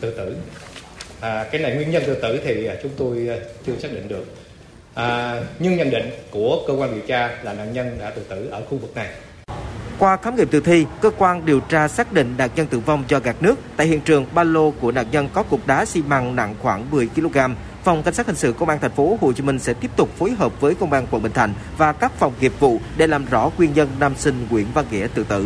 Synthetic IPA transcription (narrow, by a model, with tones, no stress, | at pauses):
t̪ɨ̰˧˨t̪ɨ˧˩˨ | ʔːkaː˨˦jna˨˩jŋwi˧ənɲə˧nt̪ɨ˧˩t̪ɨ˧˩t̪ʰi˨˩˨t͡ɕʊ˨˦ŋ͡mt̪o˧jt͡ɕɨ˧əsaː˦˥k̚ɗḭ˧˨ŋ̟ɗɨ˨˩ək̚ | ʔɲɨ˧ŋɲə̰˨˧˩nɗḭ˧˨ŋ̟ku˧˩əkəː˧kwaː˧nɗi˨˩əwt͡ɕaː˧laː˨˩na̰˧˨nɲə˧nɗa̰ː˧˥t̪ɨ̰˧˩t̪ɨ̰˧˩ʔəː˧˩xu˧vɨ˨˩k̚na˨˩j | kwaː˧kaː˨˦mŋḭ˨˩p̚t̪ɨ̰˧˩t̪ʰi˧kəː˧kwaː˧nɗi˨˩əwt͡ɕaː˧saː˦˥k̚ɗḭ̈˧˨ŋ̟na̰ː˨˩ŋ̚ɲə˧nt̪ɨ̰˧˩va˧wŋ͡mzɔ˧ɣaː˨˩k̚nɨ˦˥ək̚t̪a̰ː˧˨jhḭ˧˨ənt͡ɕɨ˨˩əŋɓaː˧lo˧ku˧˩əna̰ː˧˨ŋɲə˧nkɔ˨˦kʊ˨˩k͡p̚ɗaː˨˦si˧maː˧ŋna̰˧˨ŋxwaː˧˩ŋmɨ˨˩əjki˧lo˧ɣaː˧m | fa˨˩wŋ͡mka˧ŋ̟saː˦˥hi˨˩ŋ̟sɨ̰˧˨kə˧wŋ͡mʔaː˧nt̪ʰŋ̟fo˨˦ɦo˧˩t͡ɕi˨˦mï˧ŋ̟sɛ̰˧˥t̪i˦˥əp̚t̪ʊ˨˩k͡p̚fo˨˦jɦəː˨˩p̚vəː˨˦jkə˧wŋ͡mʔaː˧nkwə˧˨˩nɓï˧˨˩ŋ̟t̪ʰa̰˧˩jŋ̟ | vaː˨˩kaː˦˥k̚fa˨˩wŋ͡mki˨˩əp̚vṵ˧˨ɗe˧˩laː˨˩mzɔ̰˧˩˥kwi˧ənɲə˧nnaː˧msï˧ŋ̟ŋwḭ˧˩ənvaː˧ŋɣḭ˧˩ət̪ɨ̰˧˨t̪ɨ̰˧˩